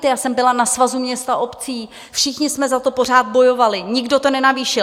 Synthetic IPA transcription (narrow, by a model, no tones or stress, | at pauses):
t̪ɛjaːsɛmbɪlanasvazumɲɛst̪aʔo̞pt͡siː | fʃɪxɲɪsmɛzat̪o̞po̞r̝aːd̪̚bo̞jo̞valɪɲɪɡdo̞t̪o̞nɛnaviːʃɪ